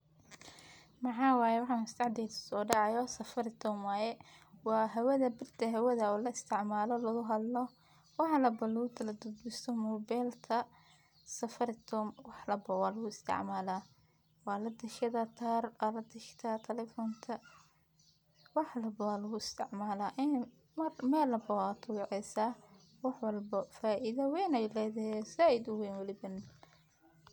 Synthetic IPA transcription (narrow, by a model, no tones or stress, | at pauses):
mɑħɑːwɑːjɛwɑħɑmʊst̪ʰɑʕd̪ɛjd̪ɐ̥sɔːɖɑʕɑjɔsɐfɐɾɪt̪ʰɔmajɛwɑːɦɛwɐðɐbɪrt̪ʰɐɦɛwɐðɐɔːlɐɪst̪ʰɪʕmaːlɔlɐɣʊɦɐd̪lɔ | wɑħlɐbɐlɐɣʊt̪ʰɐlɐd̪ʊd̪bɪst̪ʰɔmɔbɛlt̪ʰɐ | sɐfɐɾɪt̪ʰɔːmwɑħlɐbɔwɑːlɐɣʊɪst̪ʰɪ̰ʕmaːla | wɑːlɐd̪ɐʃɐðɐt̪ʰaːrwaːlɐd̪ɐʃt̪ʰɐt̪ʰɛlɛfɔːnt̪ʰɐ | wɑħlɐbɐwaːlɐɣʊɪst̪ʰɪʕmaːlaːʔɪn | mɐmɛːlɐbɐwaːt̪ʰʊwɪʕɛjsaː | wɑħwɐlbɐfaːʔɪðɐwɛjnɛjlɛːðɐhɛsaːɪd̪ʊwɛjnwɐlɪβɐn